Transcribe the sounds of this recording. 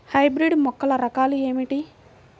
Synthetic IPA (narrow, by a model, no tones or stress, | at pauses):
hɐjbɾiɖmɔkːɐlɐɾɐkaːlueːmiʈi